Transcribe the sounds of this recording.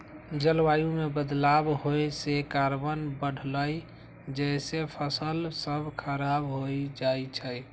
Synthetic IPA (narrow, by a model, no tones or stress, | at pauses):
d͡ʒəlwajũmebəd̪labɦojsekaɾbənbəɽ̤ləj | d͡ʒɛsepʰəsəlsəbʱkʰəɾabɦojd͡ʒajt͡ʃʰəj